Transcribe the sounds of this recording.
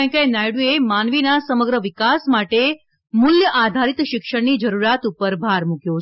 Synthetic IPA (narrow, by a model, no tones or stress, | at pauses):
ə̃kajnajɽiemanʋinasəməɡɾəʋɪkasmaʈe | mʊljəʔad̪ʱaɾit̪ʃɪkʃəɽnid͡ʒəɾuɾjat̪upəɾbʱaɾmukjo